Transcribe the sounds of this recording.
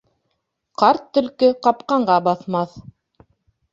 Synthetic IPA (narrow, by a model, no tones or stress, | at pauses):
qɑɾt̪ːɵ̆lkɘqɑpqɑɴɢɑbɑθmɑθ